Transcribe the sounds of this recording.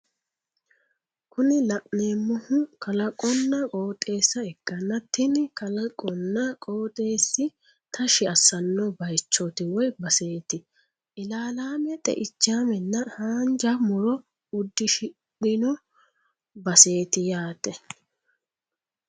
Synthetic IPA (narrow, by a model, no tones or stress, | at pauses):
kʊnɪlɐʔne̞ːmːɔhʊkɐlɐkʼɔnːɐkʼoːt̪ʼe̞ːsːɐɛkːɐnːɐt̪ːɪnkɐlɐkʼɔnːɐkʼo̞ːt̪ʼe̞ːsːɪ | t̪ʰɐʃɪɐsɐnːɔbɐjt͡ʃːɔt̪ɪwɔjbɐse̞ːt̪ɪ | ʔɪlaːlaːmɛt̪ʼɛ̰ʔɪt͡ʃːaːmɛnːɐhaːnd͡ʒɐmʊɾɔ | ʊd̪ːɪʃɪ | ɗɪnɔ | bɐse̞ːt̪ɪjaːt̪ɛ